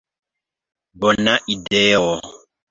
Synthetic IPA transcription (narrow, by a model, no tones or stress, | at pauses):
bɔnaʔidɛjɔwɔ